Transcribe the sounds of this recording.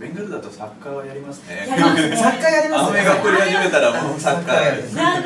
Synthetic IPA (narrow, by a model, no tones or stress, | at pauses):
bẽŋɡɯɾɯd̪at̪osakːaβajaɾʲimasɨ̥nesakkːajaɾʲimanoeɡakːoɾʲihaʑime̞t̪aɾamosakːa